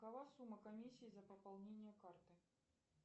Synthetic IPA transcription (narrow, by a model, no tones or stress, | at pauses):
kɐvasumːəkɐmʲisʲːɪːzɐpəpɐlˠnʲenʲɪjəkart̪ɨ